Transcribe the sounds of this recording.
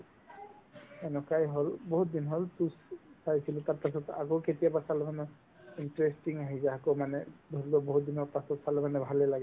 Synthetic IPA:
ɛnɔkajɦɔlbɔɦut̪̚d̪inɦɔlt̪ussajsʰilɔt̪aɹpasɔt̪a̰kowket̪ijapasalemanɛ | inʈɾesʈiŋaɦizaakomanɛd̪ʱɔɾibɔbɔɦut̪̚d̪inɔɾpasɔt̪salebanɛbʱalelaɡɛ

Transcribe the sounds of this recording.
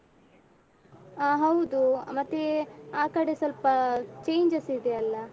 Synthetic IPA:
aːɦɐwd̪umɐt̪ːeaːkɐɽesɐlpɐt͡ʃejɲd͡ʒɐsid̪eɐlːɐ

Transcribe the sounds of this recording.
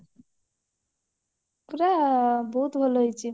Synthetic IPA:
kuɾabɔɦut̪bʱolɔjt͡ʃʰi

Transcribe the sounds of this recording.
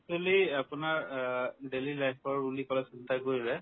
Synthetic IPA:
toliapʊnaɹɖelilajpʰɔɹulikɔlɛsintakoɹilɛ

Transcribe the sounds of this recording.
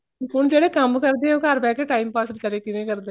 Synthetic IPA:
ʊnd͡ʒeːɽeːkəmkəɾd̪eːɛ̃oːkaɾpɛːkeʈaːimpaːsəlt͡ʃəɽeːkɪnẽːkəɾd̪e

